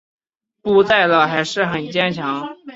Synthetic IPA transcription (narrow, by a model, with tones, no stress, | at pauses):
pu˥˧t͡sa˥˩ɪlə˩xa˧˥ɪʂɻ̩˥˩xə˨˩nt͡ɕjɛ˥nt͡ɕʰjɑ˧˥ŋ